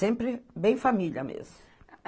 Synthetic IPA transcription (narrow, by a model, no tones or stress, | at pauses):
ẽmpɾɪbẽj̃familɐmḛzmʊ